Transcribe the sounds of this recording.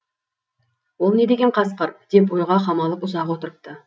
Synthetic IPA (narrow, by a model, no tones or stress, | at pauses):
wo̞lˠne̞d̪e̞ɡʲeqʰɑsqəɾd̪̥e̞p̬wo̞jʁɑqʰɑmɑlˠəpʊzɑqwo̞t̪əɾəp̚t̪ə